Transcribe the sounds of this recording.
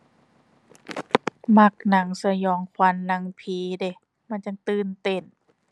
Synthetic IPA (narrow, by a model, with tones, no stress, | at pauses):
ma˧˦k̚na˨˦ŋsa˧jɔː˨˦ŋkʰwa˧˦nːa˧˦ŋpʰiː˧˦de˧˩˨ | ma˧˨t͡ɕa˧ŋt̪ɯː˧˩nt̪e˧˩˨n